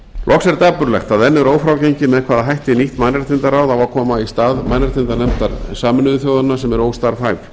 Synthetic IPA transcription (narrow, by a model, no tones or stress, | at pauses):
lʔɔksɛɾt̪aːpʏɾlɛxt̪aðɛnːɪɾoːwfɾawcejɲcɪmɛðkʰvaːðaɦajht̪ɪniht̪majnaɾ̥t̪ʰɪnt̪aɾaːwðawvakʰɔːmaist̪aːðmajnaɾt̪ʰɪnt̪aɾnɛmt̪aɾsaːmɪnʏðʏθjoːwðʏnasɛmɛɾoːwst̪aːɾ̥faːjf